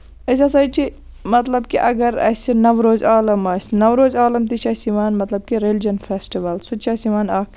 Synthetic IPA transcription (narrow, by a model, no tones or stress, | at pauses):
ɐs̬ʲasɐːt͡ʃʰi | mɐt̪lɐbkiʔɐ̰ɡɐɾɐ̰sinɐʋɾoːzʲaːlɐmaːsʲnɐʋɾoːzʲaːlɐmt̪it͡ʃʰaːsiʋaːnmɐt̪lɐb̚kiɾeld͡ʒɐnfʰeːsʈiʋɐlsut͡ʃʰaːsiʋaːnaːk